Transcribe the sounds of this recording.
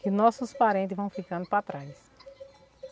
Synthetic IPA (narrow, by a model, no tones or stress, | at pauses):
kɪnɔsʊspaɾẽnt̪ɪzvɐ̃w̃fikɐ̃nd̪ʊpɾat̪ɾajs